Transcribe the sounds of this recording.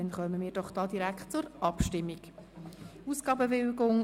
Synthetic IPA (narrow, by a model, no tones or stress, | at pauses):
ɛnχœməmiːɾd̥ɔχd̥ɑːdiɾækχt̚t͡sʊɾʔɑpʃtɪmːiɡ | usɡ̥ɑːbəvɪlɡʊŋ